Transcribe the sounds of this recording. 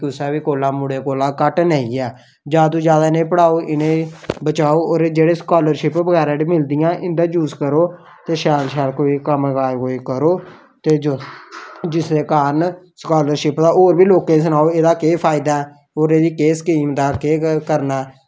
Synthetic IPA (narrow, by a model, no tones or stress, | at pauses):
kʊsɛːʋiːkoːlãːmʊɽeːkoːlãːkəʈnəĩːɛː | d͡ʒaːd̪ũːd͡ʒjaːd̪aːɪnẽːpəɽaːoːʔɪnẽːbət͡ʃaːoːɾd͡ʒeːɽeːskaːləɾʃɪpbəɡɛːɾãːɽiːmɪld̪ɪjãːʔɪ̃nd̪ãːd͡ʒuːskəɾoː | t̪eːʃɛːlʃɛːlkoːiːkəmɡaːeɦoːeːkəɾoː | t̪eːd͡ʒo | d͡ʒɪsd̪eːkaːɾənskaːləɾʃɪpd̪aːʔoːɾbiːloːkẽːs̬ənaːoːeːd̪aːkeːpʰaːɪd̪aːɛː | oːɾeːd̪iːkeːskiːmd̪aːkeːkəɾnaː